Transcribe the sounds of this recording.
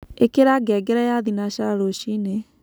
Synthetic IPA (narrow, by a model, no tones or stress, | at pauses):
ekeɾaɡɛɡɛɾɛjaðinaʃaɾoʃine